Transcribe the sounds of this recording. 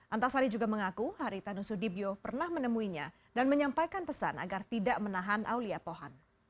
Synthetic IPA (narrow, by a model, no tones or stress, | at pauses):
ʔant̪asaɾid͡ʒuɡaməŋakuhaɾit̪anusudibiopərnahmənəmuiɲa̰ | danməɲampajkanpəsa̰na̰ɡart̪idaʔmənaɦanʔa̰wliapoɦɔn